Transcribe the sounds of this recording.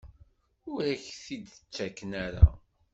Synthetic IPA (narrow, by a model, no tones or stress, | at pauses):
ʊɾæçθid̪ət͡ʃːækːənæɾa̰